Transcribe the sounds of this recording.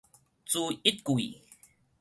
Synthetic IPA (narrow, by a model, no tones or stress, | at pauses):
t͡suit̪̚kui